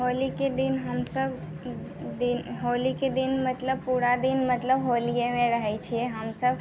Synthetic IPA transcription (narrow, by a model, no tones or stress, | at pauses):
ɦoliked̪inɦəmsəb | d̪inɦoliked̪inmət̪ləbpuɾad̪inmət̪ləbɦolijemẽɾəɦɛt͡ʃʰiɛɦəmsəb